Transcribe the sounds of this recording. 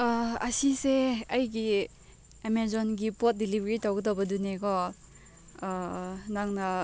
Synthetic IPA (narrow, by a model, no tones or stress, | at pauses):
ɐsiseɐjɡi | emezɔnɡipot̚dilibʱeɾitawɡɐdowbɐdunekɔ | naŋnɐ